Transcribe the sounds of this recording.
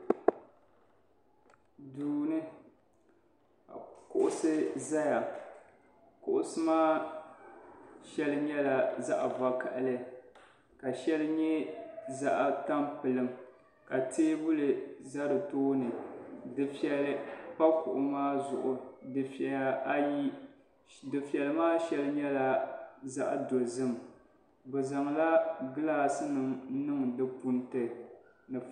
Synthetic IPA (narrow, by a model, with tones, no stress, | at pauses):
duː˨nɨ˦ | a˨kʊ˨ʔʊ˦sɨ˦za˦ja˨ | kʊ˨ʔʊ˦sɨ˦maː˦ | ʃɛ˦lɨ˦ɲɛ˦la˨za˦ʔa˨va˨ka˨ʔa˨lɨ˦ | ka˨ʃɛ˦lɨ˦ɲɛ˦za˦ʔa˨ta˦mpɨ˨lɨ˨m | ka˨teː˦bʊ˦lɨ˨za˦ɾɨ˨toː˦nɨ˨dɨ˨fɛ˨lɨ˦pa˦kʊ̰˨ʔʊ˨maː˦zʊ˨ʔʊ˨dɨ˨fɛ˨a˨a˦ji˦ | dɨ˨fɛ˨lɨ˨maː˦ʃɛ˦lɨ˦ɲɛ˦la˦za˦ʔdo˨zɨ˦m˨ | bʊ˨za˨ŋla˦ɡɨ˦laː˦sɨ˦nɨ˨m˦nɨ˦ŋdɨ˦pu˦n˦tɨ˨ | nɨ˨